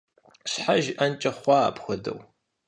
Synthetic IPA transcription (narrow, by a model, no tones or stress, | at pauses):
ɕħaʒʔɐnt͡ʃʼɐχʷɑa̰ːpxʷɔdɐ̰w